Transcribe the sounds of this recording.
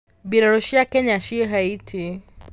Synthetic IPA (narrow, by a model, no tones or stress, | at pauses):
biɾaɾɔʃiakɛɲaʃiɦaitʰi